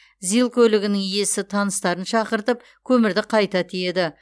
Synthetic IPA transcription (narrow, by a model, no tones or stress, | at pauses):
zijlˠkʲʰɵlɪɡʲɪnɪŋje̞sɪt̪ʰɑnəst̪ɑɾənʃɑqəɾt̪əp̚ | kʲʰɵmɪɾd̪ɪqʰɑjt̪ɑt̪ʰije̞d̪ɪ